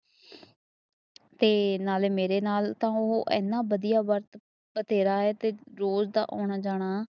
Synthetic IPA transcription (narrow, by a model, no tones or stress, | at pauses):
t̪eːnaːleːmeːɾeːnaːlt̪ãːʊɦoʔɛ̰ːnːãːbəd̪ijaːʋəɾt̪ | bət̪eːɾaːɦɛːt̪eːɾoːzd̪a̰ːʔɔːɳaːd͡ʒaːɽ̃aː